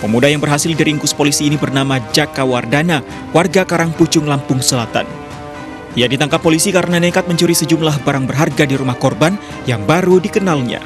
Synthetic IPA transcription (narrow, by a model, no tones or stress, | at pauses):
pəmudajaŋbərɦasɪldiɾiŋkʊspolisiːnibərnamad͡ʒakawardana | warɡakaɾaŋput͡ʃʊŋlampʊŋsəlat̪a̰n | ijadit̪aŋkapːolisikaɾənanekat̪̚məɲt͡ʃuɾisəd͡ʒumlahbaɾaŋbərɦarɡadiɾumahkɔrban | jaŋbaɾudikənalɲa̰